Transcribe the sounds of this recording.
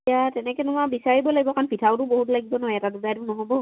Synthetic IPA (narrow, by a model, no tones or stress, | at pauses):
atɛnɛkɛnumabisaɹibɔlaɡibɔkʰanpʰitʰawtʊboɦutlaɡibɔnɔɦjɛtadudajtunɔɦɔbɔ